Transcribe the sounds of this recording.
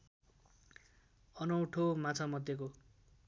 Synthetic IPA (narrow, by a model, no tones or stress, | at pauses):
ʌnʌw̃ʈʰomat͡sʰamʌd̪jeko